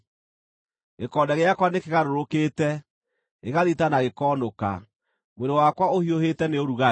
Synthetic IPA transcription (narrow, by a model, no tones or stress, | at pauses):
ɣekɔːdɛɣeakwanekeɣaɾoɾokeːtɛ | eɣaðitanaɣekɔːnoka̰ | mweɾowakwaohiohetɛneoɾuɣa